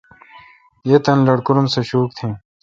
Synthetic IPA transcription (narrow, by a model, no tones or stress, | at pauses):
jet̪ɐnlɐɽkuɾumseɕuːk̚t̪ʰẽː